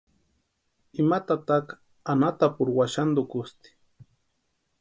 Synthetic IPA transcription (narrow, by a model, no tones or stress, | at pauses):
imat̪at̪ak | anat̪apʊɾwaʃand̪ʊkʊst̪i̥